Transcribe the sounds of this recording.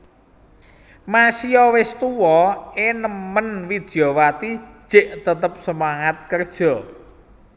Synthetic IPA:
masiɔwɪst̪uwɔenəmənwid̪̥i̤owat̪i̥ʒ̥eʔt̪ət̪əp̚səmaŋat̪̚kərd̥ʒ̥ɔ̤

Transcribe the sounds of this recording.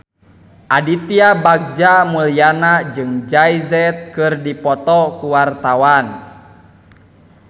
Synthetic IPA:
ʔadit̪iabaɡ̚d͡ʒamulianad͡ʒɨŋd͡ʒajzɛt̪̚kɨrdipɔt̪ɔkuwart̪awan

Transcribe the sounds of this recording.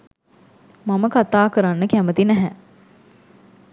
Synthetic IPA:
maməkat̪aːkəɾanːəkæmət̪inæɦæ

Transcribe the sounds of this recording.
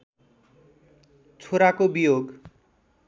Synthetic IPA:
t͡sʰoɾakobijoɡ

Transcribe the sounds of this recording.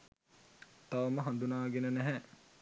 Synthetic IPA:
t̪aʋəməɦand̪unaːɡenənæɦɛ

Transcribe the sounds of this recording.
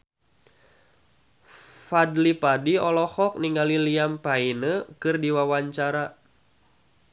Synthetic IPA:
fadlipadiɔlɔhɔk̚niŋɡaliliampainəkɨrdiwawaɲt͡ʃaɾa

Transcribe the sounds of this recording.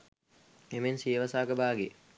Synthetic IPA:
emensijəʋəsaːɡəbaːɡe

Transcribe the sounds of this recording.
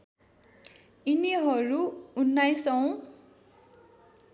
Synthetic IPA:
iniɦʌɾuunːajsʌw̃

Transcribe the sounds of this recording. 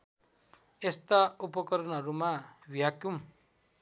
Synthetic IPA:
est̪aupʌkʌɾʌnɦʌɾumawijakjum

